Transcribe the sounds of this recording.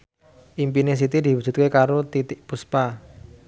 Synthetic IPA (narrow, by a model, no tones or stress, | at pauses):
ʔimpines̬it̪id̪i̤wu̥d͡ʒ̥ṳt̪̚kekaɾot̪it̪ɪʔpuspa